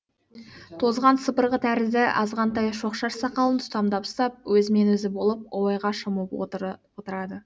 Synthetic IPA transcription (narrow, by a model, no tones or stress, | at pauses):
t̪ʰo̞zʁɑnsəpəɾʁət̪ʰæɾɪzd̪ɪʔɑzʁɑnt̪ɑjʃo̞qʃɑɾsɑqɑlˠənt̪ʰʊ̥t̪ɑmd̪ɑpst̪ɑp̚wɵzɪme̞nwɵzɪbo̞lˠəp̚owɑjʁɑʃəmupwot̪əɾɑd̪ə